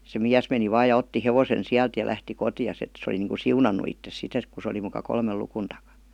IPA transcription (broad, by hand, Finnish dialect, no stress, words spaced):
se miæs meni ʋɑːj jɑ otːi heʋosen siælt jɑ læhti kotiɑs et se oli niːŋku siunɑnːu itːes sit et ku se oli mukɑ kolmel lukun tɑkɑ